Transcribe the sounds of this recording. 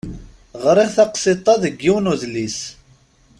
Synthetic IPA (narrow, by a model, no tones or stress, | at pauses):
ʁɾˤiʁθɑqsit̪ˤːɑðəɡːiwnuðlis